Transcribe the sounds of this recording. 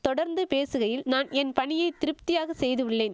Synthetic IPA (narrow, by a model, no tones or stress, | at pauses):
t̪ɔɽɐɾnd̪ɯpeːsɯɣɐjɪlnaːnɛnpɐɳɪjɐɪt̪ɪɾɯp̚t̪ɪjaːɣɐsɛjðɯʋɪɭːeːn